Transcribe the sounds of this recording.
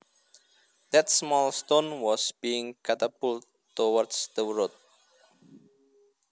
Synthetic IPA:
d̪̥ɛt̪smɔlst̪õnwɔsb̥iɪ̃ŋkat̪əbul | tːowɔrdsd̪̥əwɹot̚

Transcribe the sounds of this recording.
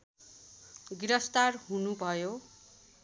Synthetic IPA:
ɡiɾʌst̪arɦunubʱʌjo

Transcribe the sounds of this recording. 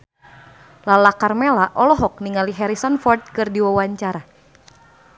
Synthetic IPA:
lalakarmelaʔɔlɔɦɔk̚niŋaliɦɛɾisɔnfɔrt̪̚kɨrdiwawaɲt͡ʃaɾa

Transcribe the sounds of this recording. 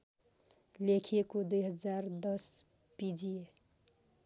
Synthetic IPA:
lekʰekod̪ujɦəd͡ʒaɾd̪ʌs | pid͡ʒie

